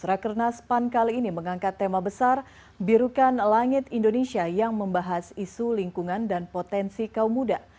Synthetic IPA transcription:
sɾakərnaspankaliːniməŋaŋkat̪ːemabəsar | biɾukanlaŋɪt̪indonesiajaŋməmbaɦasisuliŋkuŋandanpot̪ɛnsikaumuda

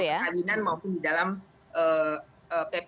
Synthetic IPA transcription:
jaalinanmaupʊndidalam | ʔə | əːpe

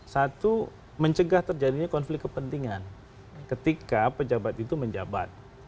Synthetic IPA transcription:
sat̪u | məɲt͡ʃəɡaht̪ərd͡ʒadiɲakɔnflɪkːəpənt̪iŋan | kət̪ikapəd͡ʒabat̪it̪uməɲd͡ʒa̰ba̰t̪̚

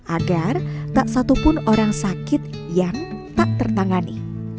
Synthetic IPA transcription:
ʔaɡart̪aʔsat̪upʊnoɾaŋsakɪt̪̚ | jaŋt̪aʔt̪ərt̪aŋani

